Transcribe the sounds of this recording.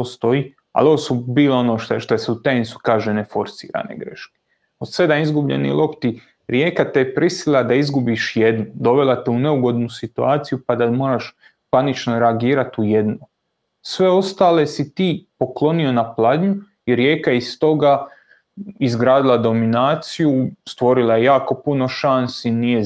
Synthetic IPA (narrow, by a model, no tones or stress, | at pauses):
ost̪o̞i | a̰lo̞ʋosubiːloo̞noʃt̪ʃt̪oseut̪ensu̥kaːʒene̞fo̞ɾsḭːɾa̰nḛɡɾe̞̰ʃke̥ | od̪se̞d̪anizɡubʎḛnḭlʔo̞pt̪i | ɾjeːkat̪epɾʔisilad̪aizɡubiʃjed̪nud̪o̞ʋe̞lˠat̪eune̞uɡo̞d̪nusit̪uaːt̪sijupad̪amo̞ːɾaʃ | panit͡ʃno̞ɾeaɡiːɾat̪uje̞d̪no | sʋe̞o̞st̪aːle̞sit̪iːpo̞klˠo̞nio̞naplˠad̪ɲu | iɾje̞ːkajeist̪o̞ɡa | izɡɾaːd̪ilˠad̪o̞minaːt̪sijust̪ʋo̞ɾilˠajejaːko̞puno̞ʃansinije̞